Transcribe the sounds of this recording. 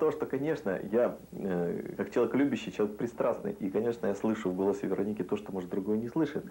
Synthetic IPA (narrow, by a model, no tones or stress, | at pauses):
t̪o̞ʂt̪o̞kɐnʲe̞ʂnə̰ja | əkakt͡ɕɪlˠəɐeklʲʉbʲɪɕːɪjt͡ɕlˠɐvʲekpɾʲɪst̪ɾasnɨ̰jʔikɐnʲe̞ʂnəjaslˠɨʂʊvɡo̞lˠəsʲɪvʲɪɾɐnʲikʲɪt̪o̞ʂt̪omoʐɨt̪̚d̪ɾʊɡo̞jənʲɪslˠɨʂɨɪt̪